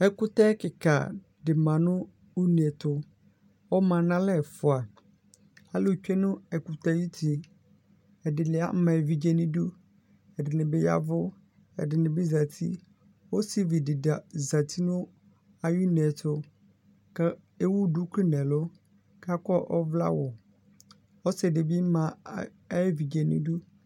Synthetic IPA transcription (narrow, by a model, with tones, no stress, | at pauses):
ɛ˦kʊ˦ta˦kɪ˨kʰa̰˨ | dɪ˨mã˨nʊ̃˦ | u˦n˨ɛ˨tʊ˦ | ɔ˦mã˨nã˦lɛ˦˨fʊ˨a˨ | a˦lɪ˦˨t͡ʃᶣɛ˦nʊ̃˦ɛ˨kʊ˨ta˦˨ji˦tʰi˨ | ɛ˨dɪ˨lɪ˦a̰˦mã˨vi˨d͡ʒɛ˦nɪ̃˦du˦ | ɛ˨dɪ˨nɪ̃˨bɪ˦ja̰˦vʊ˦ | ɛ̰˨dɪ˨nɪ̃˨bɪ˦za˨tʰḭ˦ | wɔ˦si˦vi˨dɪ˨da˨za˨tʰi˦nʊ̃˦ | a˨ju˦nɛ̃˨tʰʊ˦ | ka˦ | e˦wu˦du˦kʰlɪ˦nɛ̃˨lʊ˦ | kʰa˦kɔ˦ʔɔ˦vla̰˦wɔ˨ | ɔ˦sɪ˨dɪ˨bi˦mã˨˦ | vi˨d͡ʒɛ˨nɪ̰̃˦du˦